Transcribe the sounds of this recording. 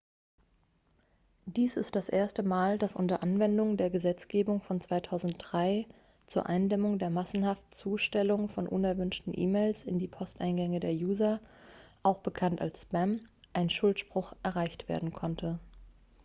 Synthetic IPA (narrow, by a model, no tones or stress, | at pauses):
d̥iːsɪstd̥asʔeːɐstəmaːldasʔʊ̰ntɐʔanvɛndʊŋdeːɐɡəzɛt͡sɡ̥eːbʊŋfɔnt͡sv̥aɪtʰaʊzn̩t̚d̥ʁaɪ | t͡suːɐʔaɪndɛmʊŋdeːɐmasn̩haftt͡suːʃtɛlʊŋfɔnʔʊ̰nɛɐvʏnʃtn̩ʔḭːmeːlsɪ̰ndiːpʰɔstʔa̰ɪnɡɛŋədeːɐjuːzɐʔaʊxb̥əkʰanta̰lsspɛmʔaɪnʃʊltʃpʁ̥ʊxʔɛɐʁaɪçtv̥ḛɐdn̩kʰɔntʰə